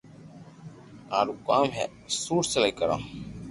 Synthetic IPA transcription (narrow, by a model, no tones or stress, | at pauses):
ãːɾuːkaːmɦḛː | suːɾsəlaikəɾã̰ː